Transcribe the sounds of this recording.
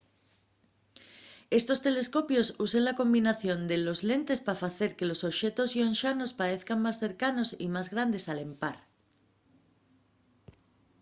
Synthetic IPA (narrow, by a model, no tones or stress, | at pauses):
e̞st̪o̞st̪e̞le̞sko̞pjo̞suseŋlako̞mbinaθjo̞nd̪elo̞zle̞nt̪e̞spafaθe̞ɾke̞lo̞soβʃe̞t̪o̞sionʃano̞spaɾeθkaŋmasθe̞ɾkano̞sḭmazɣɾand̪e̞salempaɾ